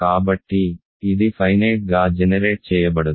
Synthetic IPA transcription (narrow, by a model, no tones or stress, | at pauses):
kaːbɐʈːi | iðifɐjneːʈ̚ɡaːd͡ʒɛnɐɾeːʈ̚t͡ʃɛːjːɐp̬ːɐɽu